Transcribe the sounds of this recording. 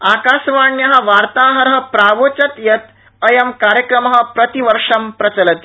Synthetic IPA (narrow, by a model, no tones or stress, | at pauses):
akaːʃʋaːɳjɐɦɐ̆ʋaɾt̪aːɦɐɾɦə̆pɾaʋot͡ɕɐt̪jɐt̪̚ | ɐjɐmkaɾjɐkɾɐmɐɦə̆pɾɐt̪iʋəɾʂɐmpɾɐt͡sɐlɐt̪i